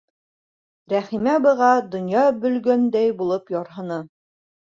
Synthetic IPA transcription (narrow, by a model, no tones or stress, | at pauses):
ɾæχimæbɤ̆ʁɑd̪ŏnjɑbɵ̆lɡænd̪æjbulˠɤpjɒɾɦɤ̆nɤ